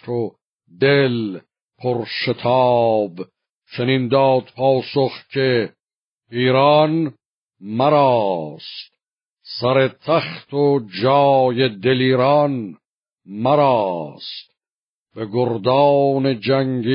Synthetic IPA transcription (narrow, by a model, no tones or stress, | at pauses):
o | d̪el | pʰoɾʃet̪ʰɑːb | t͡ʃʰeniːnd̪ɑːd̪̚pʰɑːsoχkʰe | iːɾɑːn | mæɾɑːst̪ | sæɾet̪ʰæχt̪ʰod͡ʒɑːjed̪eliːɾɑn | mæɾɑːst̪ | b̥eɡoɾd̪ɑːned͡ʒæŋɡi